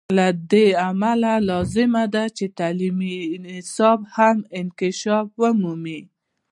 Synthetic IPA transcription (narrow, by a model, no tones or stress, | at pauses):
lad̪eamalalɑzɪmad̪at͡ʃet̪alimiɪnɪsɑbhamɪnkɪʃɑfwəmumi